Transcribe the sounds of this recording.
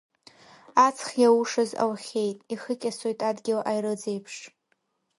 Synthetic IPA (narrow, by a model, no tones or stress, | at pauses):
at͡sʰχʲjawuʂɨza̰wχʲejtʼiχɨkʲʼasojtʼadɡʲɪlʔajrɨd͡ze̞jpʰʂ